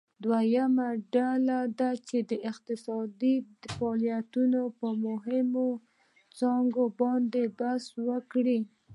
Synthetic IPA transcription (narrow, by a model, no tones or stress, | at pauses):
d̪wajamaɖalad̪at͡ʃed̪əʔɪqt̪ɪsɑd̪ifaːlijat̪unopəmʊɦɪmo | t͡sɑŋɡobɑnd̪ebaswəkɽi